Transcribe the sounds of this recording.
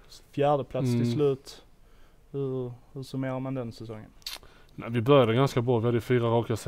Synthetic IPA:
fjæːɖəpʰlat̪sst̪ʰɪlslʉ̟ːt̪ | hɵhɵʂɔmeːɾamand̪ɛnsɛsɔŋːə̰n | nævɪbœɾjad̪əɡanskabɾɑːvɪhad̪ːəjɵfyːɾaɾɑːkɪas

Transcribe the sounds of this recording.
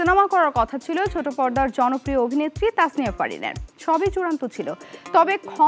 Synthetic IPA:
inamakɔɾaɾkɔt̪ʰat͡ɕʰilot͡ɕʰoʈopɔɾd̪aɾd͡ʑɔnopɾioobʱinet̪ːɾit̪asnijepa̰ɽḭnḛʃɔbejt͡ɕuɽant̪ot͡ɕʰilot̪ɔbekʰɔ

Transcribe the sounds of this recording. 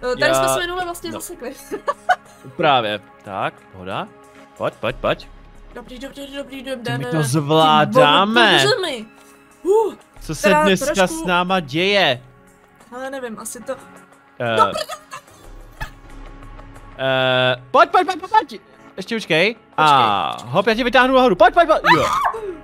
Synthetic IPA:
tj̪aassɛmɛnovɛvlastɲɛzasɛklɪ | pɾaːvjɛ | t̪a̰k̚ | ɦo̰da | poc̚poc̚pacdopɛdoɾidobɾidɛmd̪ɛmɪt̪ozvlaːdaːmɛʒɛmɪ | u | t͡sosɛdnɛskasnaːmaɟɛjɛ | hɛlɛnɛvɪmʔasɪt̪o | poc̚poc̚poc̚pooc | ʔɛʃcɛpot͡ʃkɛj | ʔaɦopjaːcɛvɪt̪aːɦnunaɦoɾupoc̚poc̚pocjo

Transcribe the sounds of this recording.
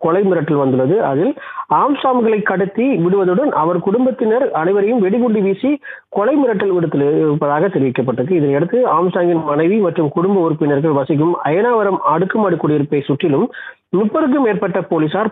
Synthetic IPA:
kɔlɐɪmɪɾɐʈːɐlʋɐnd̪ɯɭɐðɯʔɐðɪlaːmsaːmɣɐɭɐɪkːɐɽɯt̪ːiʋɪɽɯʋɐðɯɽɐnʔɐʋɐɾkʊɽʊmbɐt̪ːɪnɐɾɐnɐɪʋɐɾɐjɯmʋɛɽiɣʊɳɖiʋiːsi | kɔlɐɪmɪɾɐʈːɐlʋɪɽɯt̪ːɯlpːɐðaːɣɐt̪ɛɾɪʋɪkːɐpːɐʈːɯk̬ːɯɪðɐnɛɽɯt̪ːɯaːmsaːŋɡɪnmɐnɐɪʋimɐʈrɯmkʊɽʊmbɐʊɾɯpːɪnɐɾɣɐɭʋɐsɪɣɯmɐ̰jɐnaːʋɐɾɐmaːɽɯkːɯmaːɽɯkːuːɽɐjɪɾɯpːɐɪsʊʈːɪlɯm | mɪpːɐɾɯkːɯmeːɾpɐʈːɐpoːlisaːɾ

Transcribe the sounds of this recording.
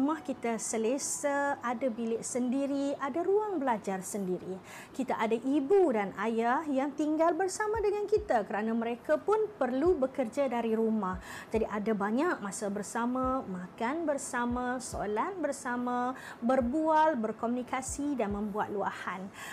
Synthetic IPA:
umahkit̪asəlesaadabilɪʔsəndiɾiadaɾuaŋbəlad͡ʒarsəndiɾi | kit̪aʔadaʔibudanajahjaŋt̪iŋɡalbərsamãdəŋankit̪akəɾanãmə̃ɾekapʊnpərlubəkərd͡ʒadaɾiɾumahd͡ʒadiʔadabaɲak̚masabərsamãmakanbərsamãso̰lat̪̚bərsamã | bərbualbərkɔmunikasidanmə̃mbua̰t̪̚lua̰han

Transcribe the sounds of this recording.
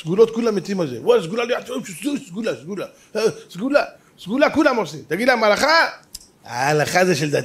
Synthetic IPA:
sɡulot̪̚kulamet̪imazewals̬ɡulalojat͡soimʃususɡulasɡula | sɡula | sɡulakulamosimt̪aɡid̪lamalaχa | a̰aːlaχazeʃeld̪at

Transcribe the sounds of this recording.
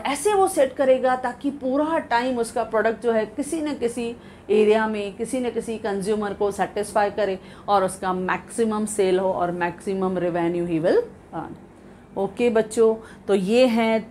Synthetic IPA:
ɛːseʋoseʈkɐɾeːɡat̪aːkipuːɾaʈaːɪmʊskapɾɔːɖək̚ʈ̚d͡ʒoːɦɛkɪsinɐkɪsi | eːɾijamẽkɪsinɐkɪsikɐ̃nzjuːməɾkosɛːʈɪsfaːɪkɐɾẽː | ɔːɾʊskamɛːksɪməmseːlɦoɔ̰ːɾmɛːksɪməmɾɪʋɛːnjuːɦiːʋɪl | a̰ːn | oːkeːbɐtːʃot̪oːjeːɦɛ̃

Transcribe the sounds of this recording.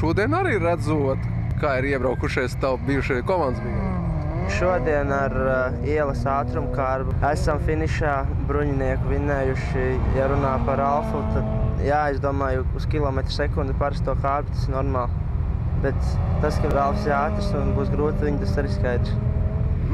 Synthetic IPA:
ʃuɔd̪iɛnaɾiːɾæd̪zut̪ | kaːiɾiɛbɾawkuʃɛjst̪awbiːjuʃɛjkɔmand̪zbiu | ʃuɔd̪iɛnaɾ | iɛlˠəsaːt̪ɾumkaːɾbuæsamfiniʃaː | bɾuɲiniɛkuʋinɛːjuʃijaɾunaːpaɾalˠfut̪ad̪jaːezd̪uɔmaːjuuskʲilˠɔmɛt̪ɾ̥sɛkund̪upaɾast̪uɔkaːɾbt̪ḁsɪnɔɾmaːlˠ | bet̪ːaskabɾalˠfsiɾaːt̪ɾsunbuːsɡɾuːt̪ʋiɲt̪asaɾiːskajd̪ɾs

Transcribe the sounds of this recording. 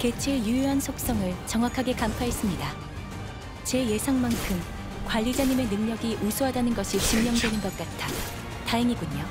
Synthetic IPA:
ke̞t͡ɕʰejujuɦansʰok̚s͈ʌŋɯɭt͡ɕʌŋɦwakʰaɡe̞kampʰaɦe̞s͈ɯmɲida | t͡ɕe̞je̞sʰaŋmankʰɯm | kwaʎːid͡ʑaɲime̞nɯŋɲʌɡiʔusʰuɦadanɯnɡʌɕʰit͡ɕimɲʌŋdwe̞nɯnbʌk̚k͈atʰa | taɦeŋiɡuɲo

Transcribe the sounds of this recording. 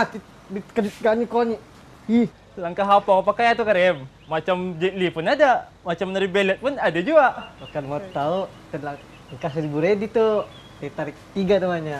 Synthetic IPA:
at̪i | dikəd͡ʒit̪̚ɡaɲikoɲi | i | laŋkaɦapaŋapakajat̪ukaɾɛmː | at͡ʃamd͡ʒelipʊnada | mat͡ʃamːənəɾibelɛt̪̚pʊnadad͡ʒuabukanmat̪aut̪ənlaŋ | kas̬dibuɾedit̪u | t̪et̪aɾɪk̚t̪iɡanamaɲa

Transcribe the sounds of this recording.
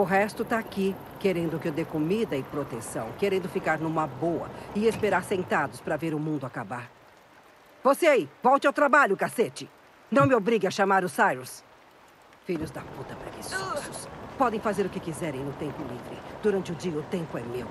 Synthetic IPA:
ʊɦɛst̪ʊt̪aːki | keɾẽnd̪ʊkɪed̪ekomid̪ɐɪpɾot̪ẽsɐ̃w̃keɾẽnd̪ʊfikaɾnũmɐbowɐ̰ɪespeɾaɾsẽnt̪ad̪ʊspɾɐveɾʊmũnd̪ʊakabaɾ | voseaivɔwt͡ʃɪawt̪ɾabaʎʊkaset͡ʃɪ | nɐ̃w̃mɪobɾiɡɪɐʃamaɾʊsajɾus | fiʎʊzd̪ɐput̪ɐpɾɐkissʊspɔd̪ẽj̃fazeɾʊkɪkizɛɾẽj̃nʊt̪ẽmpʊlivɾɪ̰d̪̥uɾɐ̃nt͡ʃɪʊd͡ʒiɐʊt̪ẽmpʊɛmew

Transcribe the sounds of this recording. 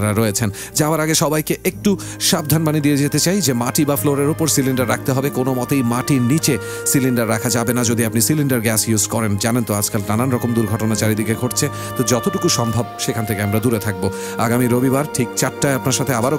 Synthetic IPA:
ɾaɾɔet͡ɕʰen | d͡ʑabaɾaɡeʃɔbajkeʔek̚ʈu | ʃab̚d̪ʱanbanid̪ied͡ʑet̪et͡ɕajd͡ʑemaʈibafloɾeɾupoɾsiliɳɖaɾːak̚ʰt̪eɦɔbekonomɔt̪ejmaʈinit͡ɕe | siliɳɖaɾːakʰad͡ʑabenad͡ʑod̪iapnisiliɳɖaɾɡɛsjuzkɔɾend͡ʑanent̪oad͡ʑkalnananɾɔkomd̪uɾɡʱɔʈonat͡ɕaɾid̪ikeɡʱoʈt͡ɕʰe | t̪od͡ʑɔt̪oʈukuʃɔmbʱab̚ʃekʰant̪ʰekeamɾad̪uɾet̪ʰak̚bo | aɡamiɾobibaɾʈʰikt͡ɕaʈːaeapnaɾʃat̪ʰeabaɾo

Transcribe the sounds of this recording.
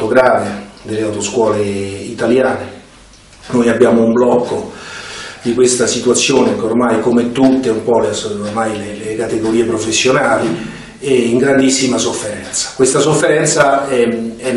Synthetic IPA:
t̪oɡɾaːved̪elːeawt̪oskwɔːleit̪aljaːne | nojabːjaːmoumblɔkːo | d̪ikwest̪asit̪uat̪sːjoːnekormajkomet̪ːut̪ːeumpɔlesormajlelekat̪eɡoɾiːepɾofesːjonaːli | eiŋɡɾand̪isːimasofːeɾɛnt̪sḁkwest̪asofːeɾɛnt̪saɛɛ

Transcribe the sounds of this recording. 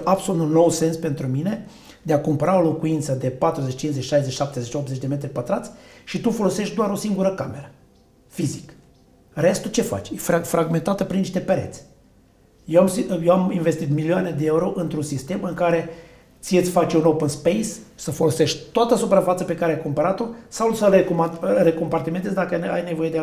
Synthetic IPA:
ʔabsolut̪unːo̞wse̞nspe̞nt̪ɾumine̞ | d̪eakumpəɾao̞lo̞kuint̪səd̪e̞pat̪ɾuzet͡ʃt͡ʃinzet͡ʃʃajzet͡ʃʃap̚t̪ezet͡ʃʲopt̪zet͡ʃd̪e̞me̞t̪ɾipət̪ɾat̪sʲʃit̪ufo̞lo̞se̞ʃt̪d̪owaɾo̞siŋɡuɾəkame̞ɾə | fizik | ɾe̞st̪ut͡ʃe̞fa̰t͡ʃʲefɾaɡme̞nt̪at̪əpɾinːiʃt̪e̞peɾḛt̪sʲ | jewamsijewaminve̞st̪it̪milioane̞d̪eeuɾo̞ʔɨnt̪ɾunsist̪e̞mɨŋkaɾe̞ | t̪siesʲfat͡ʃeunopənspejssəfo̞lo̞se̞ʃʲt̪oat̪əsupɾafat̪səpe̞kaɾeajkompəɾat̪o̞sawsəlekare̞ko̞mpart̪iment̪̬esd̪akəa̰jne̞vo̞je̞d̪e

